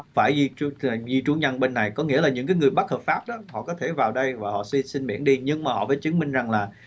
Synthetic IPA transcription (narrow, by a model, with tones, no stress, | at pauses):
faː˧˩ji˧˨˩zi˧t͡ɕu˧˦ɲə˧nɓe˧nːa˨˩jkɔ˨˦ŋḭ˧˥əlaː˨˩ɲɨ̰˧˥ŋkaː˨˦ŋɨ˨˩əjɓa˦˥həː˨˩p̚faː˦˥p̚ɗɔ˨˦hɔ̰˧˨kɔ˨˦t̪ʰe˧˩vaː˨˩wɗə˧jvaː˨˩hɔ̰˧˨ssi˧nɓḭ˧˩ənɗi˧ɲɨ˧ŋmaː˨˩hɔ̰˧˨vəː˨˦t͡ɕɨ˨˦ŋmï˧ŋza˨˩ŋlaː˨˩